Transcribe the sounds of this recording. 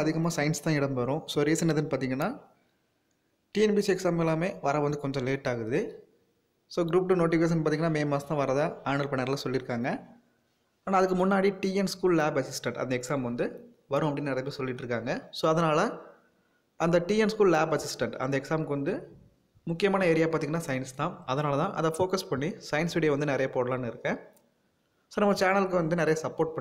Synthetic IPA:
ɐðɪɣɐmaːsɐjɪnst̪ãːɪɽɐmbʋɐɾʊ̃soːɾisɛnːɐðɯnːpaːɾt̪̬iːŋɡɐnːaː | ʈiːɛnbiːsɛksaːmɛlːaːmeːʋɐɾɐʋɐnd̪ɯkɔɲd͡ʒɐ̃leːʈːaːɣɯɾɐðɯ | soːɡɪɾuːp̚ʈɯnoːʈɪʋeːs̬ɐnːpaːt̪iːŋɐnːaːmeːmaːst̪ãːʋɐɾɐðãːaːnɐlpɐɳːɐɾɐlasɔlːɪɾɯkːaːŋɡɐ | aːnaːɐðɯkːɯmʊnːaːɽiʈiːɛnskuːllaːbɐsɪsʈɐɳʈɐ̰nd̪ɐɛksaːmʋɐnd̪ɯ | ʋɐɾɯ̃ɐpːɐɽɪnːnɪɾɐpːesɔlːɪʈːɾɯkːaːŋɡɐsoːɐðɐnaːlɐ | ɐnd̪ɐʈiːɛnskuːllaːbɐsɪsʈɛɳʈɐ̰nd̪ɐɛksaːmkːɯʋɐnd̪ɯ | mʊkːɪjɐmaːnɐeːɾɪjaːpaːɾt̪iŋɡɐnaːsɐjɪnst̪ãːɐðɐnaːlɐt̪ãːʔɐðɐ̃foːkɐspɐɳːisɐjnsʋiɪɽɐjʋɐnd̪ɯnɪɾɐjɐpoːɽɐlaːnɯɪɾɯkːẽː | soːnɐmːɐt͡ʃaːnɐlk̬ːɯʋɐnd̪ɯnɪɾɐjɐsɐpːoːɾʈ̚pɐɳ

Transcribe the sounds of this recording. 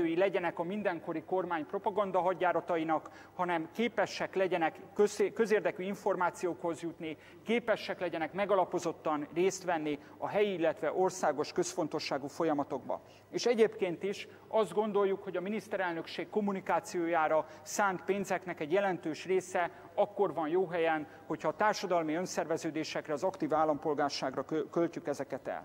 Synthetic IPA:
øːjilɛɟɛnɛkɒmind̪ɛŋko̞ɾiko̞rmaːɲpro̞pɒɡɒnd̪ɒɦɒɟːaːɾɒt̪ɒjinɒk | hɒnɛmkeːpɛʃɛklɛɟɛnɛkøskøzeːrd̪ɛkyiɱfo̞rmaːt̪sijoːkho̞zjut̪ni | keːpɛʃːɛklɛɟɛnɛkmɛɡɒlɒpo̞zo̞t̪ːɒnreːst̪ʋɛnːi | ɒɦɛjiilːɛt̪ʋɛʔo̞rsaːɡo̞ʃkø̞sfo̞n̪t̪o̞ʃːaːɡufo̞jɒmɒt̪o̞ɡbɒ̰ | eːʃɛɟeːpkeːnt̪iʃ | ɒzd̪ɡo̞nd̪o̞ljːukho̞ɟɒminist̪ɛɾɛlnø̞kʃeːkːo̞mːunikaːt̪sijoːjaːɾɒ | saːnt̪peːnzɛknɛkɛɟjɛlɛnt̪øːʃreːsɛ | ɒkːo̞rvɒnjoːɦɛjɛn | ho̞cʰhɒːt̪aːrʃɒd̪ɒlmiø̞nsɛrvɛzøːd̪eːʃɛkrɛɒzɒkt̪iːvaːlɒmpo̞lɡaːrʃaːɡrɒkølt͡ʃykɛzɛkɛt̪ɛ̰l

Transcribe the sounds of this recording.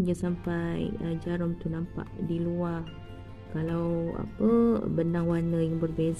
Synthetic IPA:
d͡ʒasampajəd͡ʒaɾɔŋt̪unampa̰ʔdiluar | kalawa̰pə̰bənaŋwanəjaŋbərbez

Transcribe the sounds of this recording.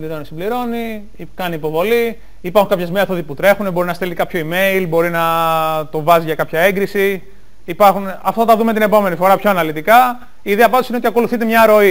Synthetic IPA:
liɾo̞nisibliɾo̞ni | kɐniːpo̞vo̞li | ipɐɾxuŋkɐpçezme̞θo̞ðiput̪ɾe̞xunebo̞ɾinɐst̪elt̪ikɐpço̞ime̞ilbo̞ɾinɐt̪o̞vɐziʝɐkɐpçɐe̞ŋɡɾisi | ipɐɾxunɐft̪ɐɐt̪ɐðumet̪ine̞po̞me̞nifo̞ɾɐpço̞ɐnɐlit̪ikɐ | iːðeɐpɐt̪osineot̪iɐko̞luθit̪e̞mɲɐɾo̞i

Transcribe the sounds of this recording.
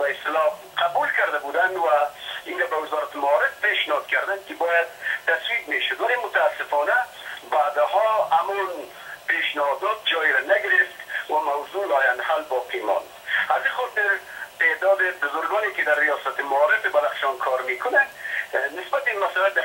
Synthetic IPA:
baɪst̪ɪlɔ | qʰabulkaɾd̪abud̪and̪wainɾabawɪzɔɾat̪ɪmaɔɾɪfpeʃnɪhɔd̪kaɾd̪ankɪbɔjad̪̚t̪ːaswiq̚meʃʊd̪walemʊt̪aːsːɪfɔna | bad̪hɔamɔn | peʃnɪhɔd̪ɔd̪̚d͡ʒɔjɪɾanaɡɪɾɪft̪wamawzulɔːjand̪halbɔqimɔ̰nd̪azixɔt̪ɪɾt̪ed̪ɔd̪ɪbʊzʊɾɡɔnekɪd̪aɾːijɔsat̪ɪmaɔɾɪfɪbalaχʃɔnkʰɔɾmekʊnad̪nɪsbat̪ɪinmasalad̪a

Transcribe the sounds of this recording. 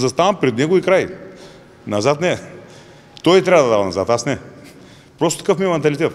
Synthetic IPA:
zɐst̪avɐmpɾɛd̪nɛɡoikɾaj | nɐzat̪nɛ | t̪ɔjt̪ɾʲavəd̪ɐd̪avɐnɐzat̪asnɛ | pɾɔst̪ot̪ɐ̥kɤfmiɛmɛnt̪ɐlʲit̪ɛt̪

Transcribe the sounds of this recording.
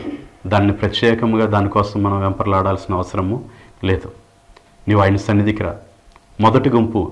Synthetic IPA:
d̪aːnːipɾɐt̪jɛːkɐmɡaːd̪aːnikɔːsɐmːɐnɐmʋɛmpɐɾɐlaːɽaːlsinɐɐʋɐsɐɾɐmu | leːd̪u | niːʋaːjnɐsɐnːɐd̪ikɐɾa̰ː | mɔd̪ɐʈiɡumpu

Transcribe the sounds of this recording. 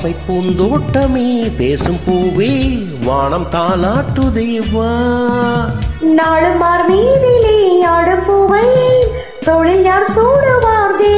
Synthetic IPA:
sɐɪpːund̪oːʈːɐmiːpeːsɯmpuːʋe | ʋaːɳɐmt̪aːlaːʈːɯd̪eːʋa | naːɻɯmːaːɾmiːðileaːɽɯmpoːʋɐj | t̪ɔɻɪljaːɾsuːɽɐʋaːɾd̪e

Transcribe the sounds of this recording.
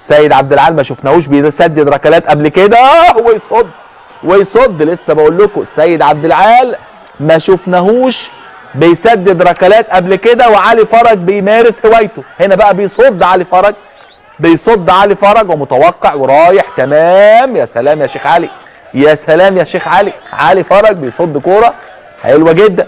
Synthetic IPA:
sːæjːed̪ʕab̚d̪ɪlʕaːlmæʃofnæhuːʃbejsæd̪ːed̪ɾˤɑkælæːt̪ʔæblked̪æwejsˤod̪ˤː | wejsˤod̪ːlesːæbeʔolːʊkosːæjːed̪ʕab̚d̪elʕaːl | mæʃofnæɦuːʃ | bejsæd̪ːed̪ɾˤɑkælæːt̪ʔæblked̪æweʕalifɑɾˤɑɡ̚bejmæːɾeshewæjt̪ohenæbæʔæbejsˤod̪ːʕalifɑɾˤɑɡ̚ | bejsˤod̪ˤːʕalifɑɾˤɑɡwemʊt̪æwɑqːeʕweɾˤɑːjeħt̪æmæːmjæːsælæːmjæːʃeːxʕali | jæsælæːmjæʃeːxʕaliʕaːlifɑɾˤɑɡ̚bejsˤod̪ˤːkoːɾˤɑ | ħħelwæɡed̪ːæn

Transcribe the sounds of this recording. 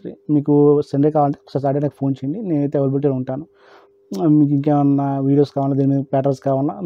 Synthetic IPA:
ɾḭmiːkusɐɳɖekaːʋaːlɐɳʈeksɐsaːɖenaːkɐpʰo̞ːnt͡ʃejɐɳɖine̞ːnɐjt̪eːɐʋɐɾbiʈ̬iluɳʈaːnu | miːk̬iŋk̬eːmɐnːɐʋiːɽijoːskaːʋaːlːaːd̪iːnimiːd̪ɐpɛːʈ̬ɐlskaːʋɐla̰ː

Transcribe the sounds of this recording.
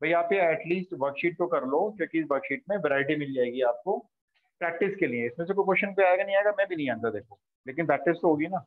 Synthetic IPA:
bʱɐiaːpeɛːʈliːsʈʋɐɾkʃiːʈ̚t̪okɐɾloːkjõːkiɪsʋɐɾkʃiːʈ̚mẽʋɛɾaːɪʈimɪld͡ʒaːeːɡiaːp̚ko | pɾɛːk̚ʈɪskeliẽɪsmẽːs̬ek̬ojkoːʃənpeaːeːɡanɐɦĩaːɦeɡamɛ̃ːbʱinɐɦĩãːnd̪ad̪eːkʰõː | leːkɪnpɾɛːk̚ʈɪst̪oɦoːɡinaː

